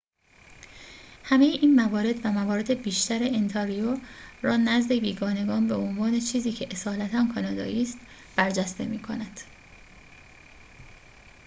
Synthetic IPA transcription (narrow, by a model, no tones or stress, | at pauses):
hæme̞jeʔiːnmævɒːɾe̞d̪væmævɒːɾe̞d̪e̞biːʃt̪æɾeent̪ʰeɾiorɒːnæzd̪e̞viːɡɒːne̞ɡɒːnbeo̞nvɒːnet͡ʃʰiːziːcʰe̞ʔesɒːlæt̪ʰænkʰɒnɒːd̪ɒ̰ːʔiːst̪ | b̥æɾd͡ʒæst̪e̞̰miːkʰo̞næd̪̥